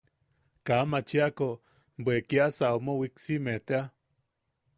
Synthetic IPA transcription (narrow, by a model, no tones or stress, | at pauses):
kamat͡ʃiako | bwekiasaomowiksimet̪ea